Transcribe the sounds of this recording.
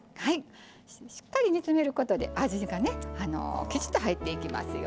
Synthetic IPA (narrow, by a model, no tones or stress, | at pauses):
hai | ɕi̥kːaɾʲiɲ̟it͡sɨme̞ɾɯ̟ko̞t̪o̞d̪e̞̰ʔaʑiɡane̞ano̰kʲit͡ɕi̥t̪ːoɦait̪ːe̞ikʲima̰sɨjo